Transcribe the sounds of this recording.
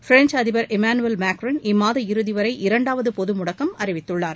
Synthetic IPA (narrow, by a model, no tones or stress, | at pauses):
fɾɛnd͡ʒɐðɪʋɐɾʔɛmaːnɯɛlmaːkɾɐnɪmːaːðɐɪɾɯðɪʋɐɾɐɪʔɪɾɐɳɖaːʋɐðɯpɔðɯmʊɽɐkːɐmɐɾɪʋɪt̪ːɯɭːaːɾ